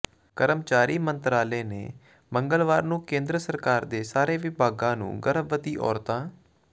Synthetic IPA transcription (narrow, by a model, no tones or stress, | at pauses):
kəɾəmt͡ʃaːɾiːmənt̪ɾaːleːnḛː | məŋɡəlʋaːɾnũːkẽːnd̪ɾəsəɾkaːɾd̪eːsaːɾeːʋɪbʱaːɡãːnṵ̃ːɡəɾəbʋət̪iːʔɔ̰ːɾt̪ãː